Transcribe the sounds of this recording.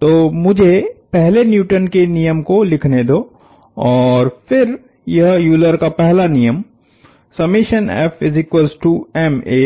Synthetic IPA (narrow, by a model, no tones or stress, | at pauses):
t̪oːmʊd͡ʒʱepɛɦlenjuːʈənkenijəmkolɪkʰned̪oː | ɔːɾfʰɪɾ | jɐɦjuːləɾkapɛɦlanijəm | sɐmiːʃənɛ̰ːfɪzɪkwəlzʈuːɛmeː